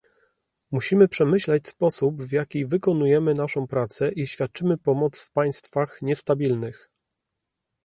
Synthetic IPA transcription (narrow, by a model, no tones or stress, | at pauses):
muɕimɘpʂɛmɘɕlɛt͡ɕspɔsupvjakʲivɘkɔnujɛmɘnaʂɔ̃w̃pɾat̪sɛʔiɕfʲjat̪̚t͡ʂɘmɘpɔmɔt̪sfpaj̃st̪faxɲɛst̪abʲilnɘx